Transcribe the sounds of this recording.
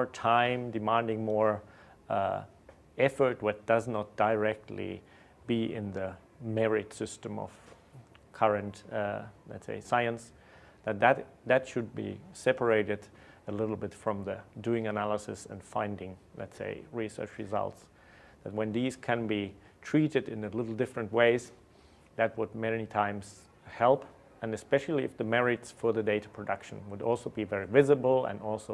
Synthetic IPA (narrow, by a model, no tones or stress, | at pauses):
ɔɹtʰãɪ̃mdɨmæ̃ndɪ̃ŋmɔɹ | ɛfə˞t̚wʌt̚d̥ʌznət̚d̥aɪɹɛk̚tʰˡlḭ | biɪ̰̃nðɨ | mɛɹɪd̥sɪstə̃mʌ̰v̥ | kʰʌɹɨ̃ntlɛ̰tsḛɪsaɪɨ̃ns | ðɨt̪̚ðɨtðɨtʃɨd̚bḭsɛpʰə˞eɪɾɨɾəlɪɾl̩ˠbɪtfɹʌ̃mðɨdʉɪ̃ŋɨnælˠəsɨ̰sə̃nfãɪ̃ndɪ̃ŋlɛ̰tsḛɪɹisɜ̰˞t͡ʃɹɨzʌ̰lˠts | ðɨt̚wɨ̃nðiz̥kʰɨ̃nbi | tʰɹ̥iɾɨɾɨ̃nɨlɪɾl̩ˠdɪfɹɨ̃ntweɪz | ðɨt̚wəd̚mɛnitʰãɪ̃mz̥ | hɛlˠp | ɨ̃nɨspɛʃl̩ˠiɨfðɨmɛɹɪtsfə˞ðɨdeɪɾəpʰɹ̥ɨdʌkʃə̃nwəɾɔ̰lˠsoʊbivɛɹivɪzɨbəl̩ˠə̰̃nɔlˠsoʊ